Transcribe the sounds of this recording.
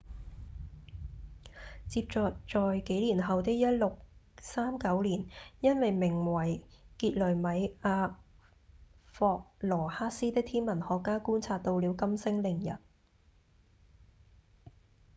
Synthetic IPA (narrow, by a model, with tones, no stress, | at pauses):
t͡siː˧p̚t͡sɔː˨˧t͡sɔː˨jke˨˥jliː˨˩nɦɐ˨wt̪ɪ˥k̚jɐ˥t̚lʊ˨k̚ | saː˥mkɐ˨˥wliː˨˩njɐ˥nwɐ˨jmɪ˨˩ŋwɐ˨˩jkiː˧t̚lɵ˨˩mɐ˨˥jʔaː˧ | fɔː˧k̚lɔː˨˩haː˥siː˥t̪ɪ˥k̚t̪ʰiː˥nmɐ˨˩nhɔː˨˧kːaː˥kuː˥nt͡sʰaː˧t̚t̪o˧wliː˨˥wkɐ˥msɪ˥ŋlɪ˨˩ŋjɐ̰˨˩t̚